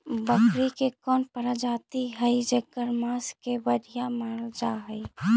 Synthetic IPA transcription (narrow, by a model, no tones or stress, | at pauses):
bəkɾikekɔːnpəɾəd͡ʒaːt̪iɦəid͡ʒəɡəɾmaːskebəɽʱijamaːld͡ʒaɦəi